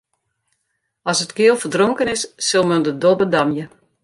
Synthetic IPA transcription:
ɔsətkɪəlˠfərdroŋkənɪsːɪlˠməndədobədamjə

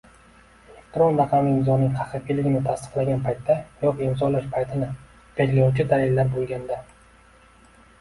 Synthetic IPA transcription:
elekt̪ɾo̞nɾɑqʰɑmɪɪmzɒnɪŋt̪ʰɑχɨqilɪɡʲɪnɪt̪ʰast̪ɨ̥qlˠaɡʲanpʰajt̪ʰːajɒqɪmzɒlaʃpʰajt̪ʰɪnɪ | ɡad͡ʒlajuwt͡ʃʰɪd̪alɪlːaɾbolˠɡʲand̪a

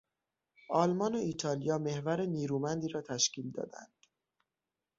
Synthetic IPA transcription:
ʔɒːlmɒːnoiːt̪ʰɒːlijɒːme̞hvæɾeniːɾuːmænd̪iːɾɒːt̪ʰæʃciːld̪ɒ̰ːd̪æ̰nd̪̥

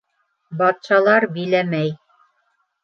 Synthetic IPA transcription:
bɑt̪ʃɑlˠɑɾbilæmæj

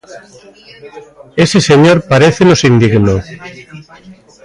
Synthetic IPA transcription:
eseseɲoɾpaɾeθenosind̪iɣno

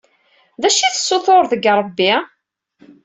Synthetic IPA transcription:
ðæʃiθəsːoθoɾðəɡɾˤəbːi

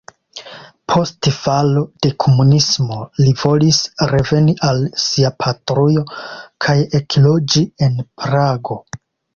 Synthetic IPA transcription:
pʰo̞stfalo̞d̥e̞kʰo̞munismo̞livo̞lisɾe̞ve̞niʔalsiapʰatɾujo̞kʰaje̞klo̞d͡ʒie̞npɾaɡo̞

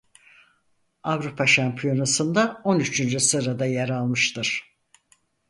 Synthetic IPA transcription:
avɾupʰaʃampʰijo̞nasɯnd̪ao̞nyt͡ʃʰynd͡ʒysɯɾad̪ajaɾalˠmɯʃt̪ʰɯɾ̥

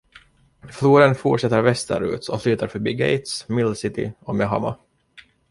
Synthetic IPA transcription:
fluːɾənfuʈʂɛt̪ːəɾvɛst̪ə̰ɾʉ̟ːt̪ɔflyːt̪aɾfœɾbiːɡɛ̰ɪt̪smɪlsɪt̪ɪ̰ɔmɛɦa̰ma̰

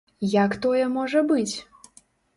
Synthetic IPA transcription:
jakt̪ɔjɛmɔʐɐbɨt͡sʲ

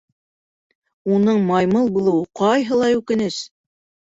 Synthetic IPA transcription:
unɤɴmɑjmɤlˠbulˠɤ̆wɤqɑjɦɤlˠɑʉkɘ̆nɘs

